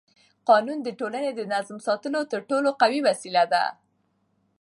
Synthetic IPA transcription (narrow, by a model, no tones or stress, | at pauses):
qɑnund̪əʈolaned̪ənazmsɑt̪əlot̪əɾʈoloqawiwasilad̪a̰